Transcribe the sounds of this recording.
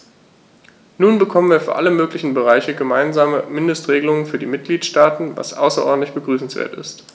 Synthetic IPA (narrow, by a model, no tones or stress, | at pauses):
nuːnbəkʰɔmənviːɐfyːɐʔaləmøːklɪçn̩bəʁ̞aɪçəɡəmaɪnzaːməmɪndəstʁ̥eːɡəlʊŋənfyːɐdiːmɪt̚ɡ̥liːtʃtaːtn̩va̰sʔa̰ʊsɐʔɔ̰ɐdn̩tlɪçb̥əɡʁyːsn̩sv̥ḛːɐtɪ̰st